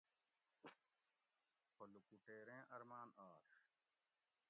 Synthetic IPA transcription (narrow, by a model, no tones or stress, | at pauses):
pʰolukuʈeːɾẽːʔɐɾmaːnaːɾ